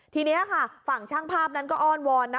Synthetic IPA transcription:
t̪ʰiː˧ni˦˥ɐkʰa˥˩fa˨˩ŋt͡ɕʰaː˥˩ŋpʰaː˥˩p̚na˦˥nkɔː˥˩ʔɔː˥˩nwɔː˧nːa˦˥

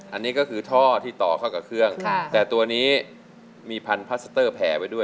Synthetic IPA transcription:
ʔa˧nːiː˦˥kɔː˥˩kʰɯː˧t̪ʰɔː˥˩t̪ʰiː˥˩t̪ɔː˨˩kʰa˥˩wka˨˩p̚kʰɯ˥˩əŋʰa˧t̪ɛː˨˩t̪u˧ɐniː˦˥ | miː˧pʰa˧npʰa˦˥sa˧t̪ɤː˥˩pʰɛː˩˦pa˧jdu˥˩əj

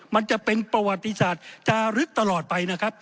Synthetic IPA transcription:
ma˧nt͡ɕa˨˩pe˧npɾa˧wa˨˩t̪ːi˧saː˨˩t̪̚t͡ɕaː˧ɾɯ˦˥k̚t̪a˧lɔː˨˩t̪̚pa˧jna˦˥kʰa˦˥p̚

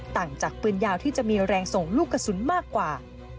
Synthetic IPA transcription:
t̪aː˨˩ŋt͡ɕaː˨˩k̚pɯ˧ənjaː˧wt̪ʰiː˥˩t͡ɕa˨˩ʔmiː˧ɾɛː˧ŋso˨˩ŋluː˥˩kːa˧su˩˦nmaː˥˩kːwaː˨˩

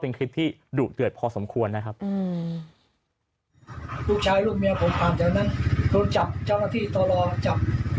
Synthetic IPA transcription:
pe˧nkʰɾi˦˥t̪ʰːiː˥˩ | duː˨˩t̪̚ːɯ˨˩ət̪̚pʰɔː˧so˩˦mkʰu˧ənːa˦˥kʰa˦˥p̚ː | pʰuː˥˩k̚t͡ɕʰaː˧jluː˥˩k̚mi˧ɐpʰo˨˩˦mpʰaː˨˩nt͡ɕɛː˨˧˩wna˦˥˩nɾuː˧nt͡ɕa˨˩p̚t͡ɕa˥˩wnaː˥˩t̪ʰiː˥˩t̪ʰɔː˧lɔː˧t͡ɕa˨˩p̚

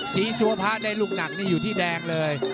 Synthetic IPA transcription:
sʰiː˨˦˥su˧ɐpʰaː˦˥daː˧jluː˥˩k̚na˨˩k̚naː˥˩juː˨˩t̪ʰiː˥˩dɛː˧ŋlɤː˧j

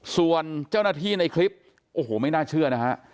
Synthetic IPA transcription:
su˨˩ənt͡ɕaː˥˩wnaː˥˩t̪ʰiː˥˩na˧jkʰli˦˥p̚ | ʔoː˨˩hoː˨˩˦ma˥˩jnaː˥˩t͡ɕʰɯ˥˩ɐna˦˥kʰa˦˥ʔ

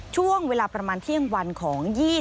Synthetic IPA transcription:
t͡ɕʰu˥˩əŋweː˧laː˧pɾa˧maː˧nt̪ʰi˥˩əŋwa˧nkʰɔː˩˦ŋjiː˥˩

